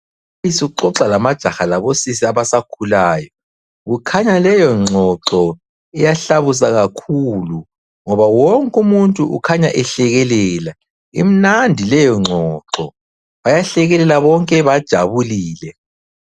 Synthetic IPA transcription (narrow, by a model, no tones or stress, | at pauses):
isiuǁɔǁalamad̥ʒ̥ʱaxalaβosisiaβasakʰulaːjɔ | ɣukʰaɲalɛjɔŋ͡ǁŋ͡ǁʱɔǁɔ | ɛjaɬaβus̬aɣakʰulu | ŋɔβawɔŋkʼumuntʼuʔṵkʰaɲaʔɛɬɛɣɛlɛːla | ḭm̩nandʱilɛjɔŋ͡ǀʱɔǁɔ | βajaɬɛɣɛlɛlaβɔŋkʼɛβad̥ʒ̥ʱaβuliːlɛ